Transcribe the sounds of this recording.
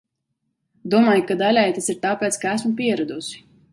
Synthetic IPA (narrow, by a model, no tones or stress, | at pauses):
d̪uɔmaːjukad̪alʲajt̪asiɾt̪aːpeːt̪skaæsmupʲiɛɾad̪usi̥